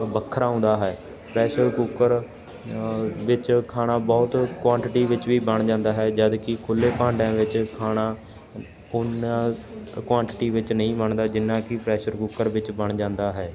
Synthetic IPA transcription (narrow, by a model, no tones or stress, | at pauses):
bəkʰːəɾaːʊ̃ːnd̪aːɦɛː | pɾɛːʃəɾkuːkəɾ | ʋɪt͡ʃkʰaːnaːbɔːt̪kwaːɳʈɪʈiːʋɪt͡ʃʋiːbəɳ̃d͡ʒãːnd̪aːɦɛːd͡ʒəd̪kɪkʰʊlːeːpãːɳɖãːʋɪt͡ʃkʰaːnaː | ʊnãːkwãːɳʈɪʈiːʋɪt͡ʃnəĩːbəɳd̪aːd͡ʒɪnːãːkɪpɾɛːʃəɾkuːkəɾʋɪt͡ʃbəɳ̃d͡ʒãːnd̪aːɦɛː